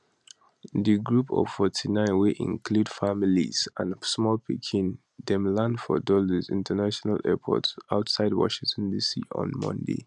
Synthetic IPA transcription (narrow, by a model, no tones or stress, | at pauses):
ðiɡɹupʰɔ̰v̥fɔtʰinãɪ̃nweʔḭ̃ŋkʰlud̥familiz̥ãnsmɔlpikʰĩn | dɛ̃mlãndfɔ̰dɔləzḭ̃ntʰənaʃɔnalɛpʰɔ̰tsaʊtsaɪdwɔ̰ʃĩŋtʰɔ̃ndisḭɔ̰̃nmɔ̰̃ndḛ